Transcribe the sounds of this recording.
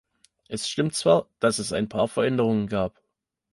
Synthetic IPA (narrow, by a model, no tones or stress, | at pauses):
ʔɛsʃtɪmtt͡sv̥aːɐd̥asɛsa̰ɪnpʰaːɐfɐʔɛndəʁ̞ʊŋənɡaːp